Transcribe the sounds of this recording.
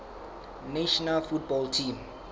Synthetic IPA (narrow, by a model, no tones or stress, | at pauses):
neʃɔnalfutbɔltʰĩːm